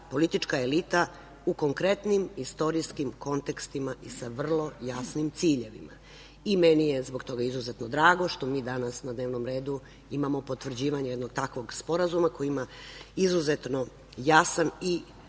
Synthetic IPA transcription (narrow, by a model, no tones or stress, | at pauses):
po̞lit̪it͡ʃkaelit̪a | uko̞ŋkɾe̞t̪nimist̪o̞ɾijskimko̞nt̪e̞kst̪imaʔisaʋr̩lˠo̞jasnimt̪siːʎe̞ʋḭma̰ | imenijezbo̞ɡt̪o̞ɡaizuzet̪no̞d̪ɾaːɡo̞ʃt̪o̞miːd̪anasnad̪neːʋno̞mɾe̞ːd̪u | imamo̞po̞t̪ʋr̩d͡ʑiːʋaɲejed̪no̞ɡt̪akʋo̞ɡspo̞ɾazumakojiimaizuzet̪no | jasani